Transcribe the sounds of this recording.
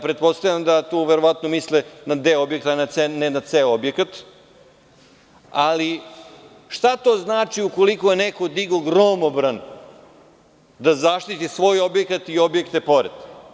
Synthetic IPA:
pɾe̞t̪̚po̞st̪avʎʲamd̪at̪oːʋeɾo̞ʋat̪nomislɛnad̪eobjekt̪anasenɛnat̪seobjekat̪ | ali | ʂt̪at̪o̞ːznaːt͡ʃiuko̞liko̞jenekod̪iɡoɡɾoːmobɾan | d̪azaʃt̪it̪isʋo̞ːjo̞bjekat̪io̞bjekt̪epo̞ɾed̪

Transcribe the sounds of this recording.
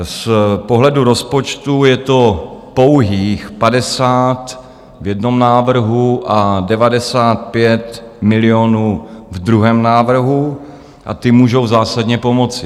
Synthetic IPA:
spo̞ɦlɛduɾo̞spo̞t͡ʃt̪ujɛt̪o̞powɦiːxpadɛsaːt̪ | vjɛdno̞mnaːvr̩ɦuʔadɛvadɛsaːt̪̚pjɛt̪mɪlɪonuːvd̪ɾuɦɛːmnaːvr̩ɦu | ʔa̰t̪ɪmuːʒo̞wzaːsadɲɛpo̞mo̞t͡sɪ

